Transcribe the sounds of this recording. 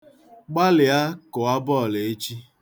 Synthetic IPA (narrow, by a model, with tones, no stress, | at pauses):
ɡ͡ba˦lɪ˨a˦kʊ˨a˦bɔ˦˨le˨e˦t͡ʃi˦